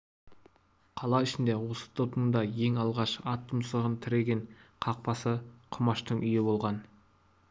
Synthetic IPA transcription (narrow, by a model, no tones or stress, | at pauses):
qʰɑlˠɑɪʃɪnd̪e̞wo̞sə̥t̪ʰo̞pəmnd̪ɑje̞ŋɑlˠʁɑʃɑt̪ʰːʊmsəʁənt̪ʰɪɾeɡʲe̞ɴqʰɑq̚pɑsəqʰʊmɑʃt̪əɴʔʏjɪbo̞lˠʁɑn